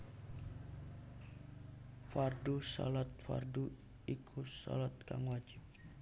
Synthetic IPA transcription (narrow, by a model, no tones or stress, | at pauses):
fardusɔ̰lɔt̪̚fa̰rdu | ikʰusɔ̰lɔt̪̚kaŋwad͡ʒɪp̚